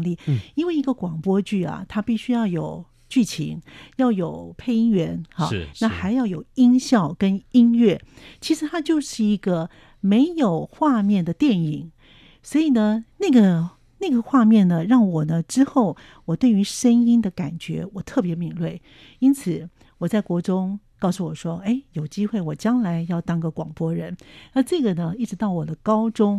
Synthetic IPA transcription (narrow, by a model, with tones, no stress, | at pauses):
li˥˩i˥nwe˥˩ɪi˧˥ɡə˧kwɑ˨˩ŋpwɔ˥t͡ɕy˥˩a̰˨˩t̪ʰa˥pi˥˩ɕy˥jɑ˥˩ʊjo˨˩ʊ | t͡ɕy˥˩t͡ɕʰḭ˧˥ŋjɑ˥˩ʊjo˨˩ʊpʰe˥˧ɪi˥ŋɥɛ˧˥nxa˥˦˧na˥˨˩xa˧˥ɪjɑ˥˩ʊjo˨˩ʊi˥ŋɕjɑ˥˩ʊkə˥ni˥nɥɛ˥˩t͡ɕʰi˧˥ʂɻ̩˧˥t̪ʰa˥t͡ɕjo˥˧ʊʂɻ̩˥˩i˧˥ɡə˧ | me˧˥ɪjo˨˩ʊxwa˥˧mjɛ˥˩nd̪ə˩t̪jɛ˥˩ni˨˩˦ŋ | swɔ˧˥i˨˩nə˦na˥˩ɡə˩ | na˥˩ɡə˩xwa˥˧mjɛ˥˩nd̪ə˩ɻɑ˥˩ŋwɔ˨˩nə˦ʈ͡ʂɻ̩˥xo˥˩ʊ | wɔ˨˩t̪we˥˩ɪy˧˥ʂə˥ni˥nd̪ə˨ka˨˩nt͡ɕɥɛ˧˥wɔ˨˩t̪ʰɤ˥˩pjɛ˧˥mi˨˩ŋlwe˥˩ɪ | i˥nt͡sʰɹ̩˨˩ | wɔ˨˩t͡sa˥˩ɪkwɔ˧˥ʈ͡ʂʊ˥ŋ | kɑ˥˧ʊsu˥˩wɔ˨˩ʂwɔ˥e˥˩ɪjo˨˩ʊt͡ɕi˥xwe˥˩ɪwɔ˨˩t͡ɕjɑ˥ŋla˧˥ɪjɑ˥˩ʊt̪ɑ˥˩ŋɡə˨kwɑ˨˩ŋpwɔ˥ɻə˧˥nna˥˧ʈ͡ʂɤ˥˩ɡə˩nə˩i˥˩ʈ͡ʂɻ̩˧˥t̪ɑ˥˩ʊwɔ˨˩d̪ə˦kɑ˥ʊʈ͡ʂʊ˥ŋ